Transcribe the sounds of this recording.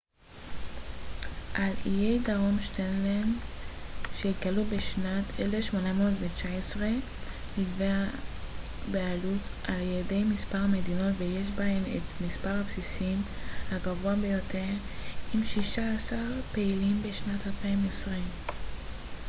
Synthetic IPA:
ʔalijejdaʁo̞mʃtenlen | ʃeit̪̚ɡalubeʃnatʰelefʃmo̞namodvet͡ʃaesʁe̞ | nidvea | bealutʔaljede̞jmispaʁame̞dino̞tvejeʃ̬baɦemḛtmispaʁhapsisimhaɡavoabe̞jo̞teʁimʃiʃaːsaʁpe̞ilimbeʃnatalpaimesʁim

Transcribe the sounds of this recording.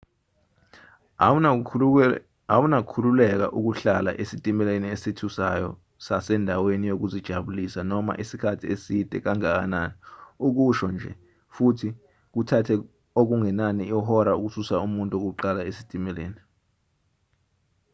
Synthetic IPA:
awunakʰululɛk̬a̰ʔuk̬uɬala̰ʔesitʼimɛleniesitʰusajɔ̰ | sasɛndʱawenijok̬uzid̥ʒ̥ʱaɓulisanɔma̰ʔisikʰatʰiesid̥ʼʱɛ̰k̬aŋak̬a̰naniuk̬uʃɔnd͡ʒʱɛ̰ | futʰi | k̬utʰatʰɛ | ok̬uŋɛnaniɔɦɔɾauk̬ususaumuntʼok̬uǃalaesi̥tʼimɛlḛːni

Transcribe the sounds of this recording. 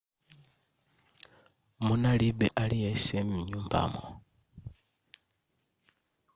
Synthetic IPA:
munalibeʔalijesemmiɲuːmba̰mo̰

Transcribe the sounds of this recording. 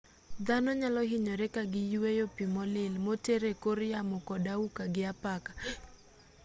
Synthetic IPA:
d̪anɔɲalɔɦɪɲɔɾɛkaɡɪjuwejopimɔlɪlmoteɾekoɾjamʊkɔdaukaɡɪapakḁ

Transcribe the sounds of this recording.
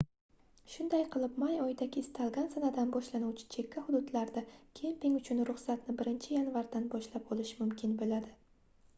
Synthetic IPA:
ʃʊnd̪ajqʰɨlˠɪpmajɒjd̪aɡʲɪːst̪ʰalˠɡʲansanad̪anbɒʃlanuwt͡ʃʰɪ̥t͡ʃʰe̞kʲʰːahʊd̪ʊd̪laɾd̪akʲʰempiŋʊt͡ʃʰʊnɾʊχsat̪nɪbɪɾɪnt͡ʃʰɪjanvaɾd̪anbɒʃlapɒlɪʃmʊmkʲʰɪnbɪlad̪ɪ

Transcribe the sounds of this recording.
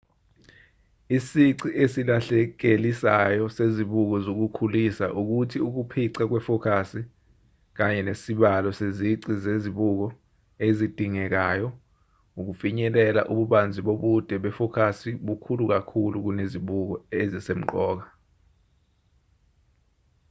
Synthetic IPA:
isiǀiʔesilaɬɛk̬elisajɔseziɓuk̬ɔzok̬ukʰulisa̰ʔuk̬utʰiuk̬upʰiǀak̬wɛfɔkʰasi | k̬aɲɛnesiɓalɔseziǀizeziɓuk̬ɔ | ezid̥ʱiŋɛk̬aːjɔ | uk̬ufiɲɛlɛla̰ʔuɓuɓand͡zʱiɓoɓud̥ʱɛɓɛfɔkʰasiɓukʰuluk̬akʰuluk̬uneziɓuk̬ɔezisem̩ǃɔːk̬a

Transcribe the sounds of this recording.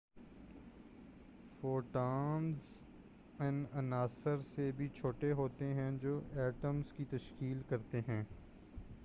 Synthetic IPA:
foːʈaːnz | ɛnɐnaːsəɾsebʱit͡ʃʰoːʈeɦoːt̪eɦɛ̃d͡ʒoːʔɛːʈəmzkit̪ɐʃkiːlkɐɾt̪eɦɛ̃ː

